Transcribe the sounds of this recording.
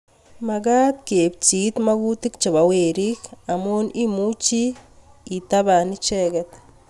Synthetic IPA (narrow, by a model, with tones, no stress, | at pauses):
ma˨ɡa˦t̪ke˨b̚t͡ʃi˨t̪ma˦ɡu˦t̪i˦kt͡ʃa˨ba˨we˨ɾi˦ka˨mu˦ni˦mu˦t͡ʃiː˦˨ | t̪a˦ba˨ni˦t͡ʃe˦ɡa˦t̪